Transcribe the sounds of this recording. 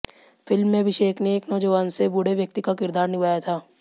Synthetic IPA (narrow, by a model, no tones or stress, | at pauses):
fɪlmːẽbʱɪʃeːkʰneːknod͡ʒoʋaːnsebʊɽeʋjək̚t̪ikakɪɾd̪aːɾnɪʋaːjat̪ʰaː